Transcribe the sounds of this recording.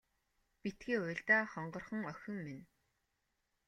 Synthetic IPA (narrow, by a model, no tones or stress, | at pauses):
pit̪ɡiːʊːɮt̪aːχɔɴɢɞ̆rχɞ̆ŋœxʲɵ̆ŋmen